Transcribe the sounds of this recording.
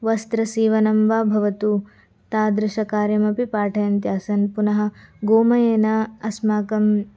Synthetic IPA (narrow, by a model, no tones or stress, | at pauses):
ʋɐst̪ɾɐsiːʋɐnɐmʋaːbʱɐʋɐt̪u | t̪aːd̪ɾɪʃɐkaːɾjɐmɐpipaːʈʰɐjɐnt̪jaːsɐnpunɐɦɐ̆ɡoːmɐjeːnɐɐsmaːkɐm